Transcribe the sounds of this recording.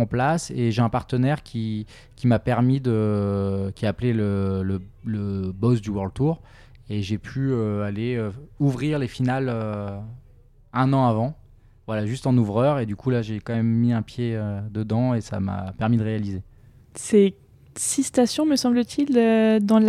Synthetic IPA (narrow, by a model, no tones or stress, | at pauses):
ɑ̃plaseʒeɛ̃paʁt̪ənɛʁkʲʰi | kʲimapɛʁmid̪ə | kʲiaːplelələləbɔsd̪ywœʁld̪̚t̪uːʁ | eʒepʰyøaleøuvʁiʁlefinalø | ɛ̃nɑ̃avɑ̃ | vwalaʒyst̪ɑ̃nuvʁœʁed̪ykʰulaʒekɑ̃mɛmːiɛ̃pjeød̪əd̪ɑ̃esa̰ma̰pɛʁmid̪əʁealize | se | sist̪asjɔ̃məsɑ̃blət̪ʰilød̪ɑ̃l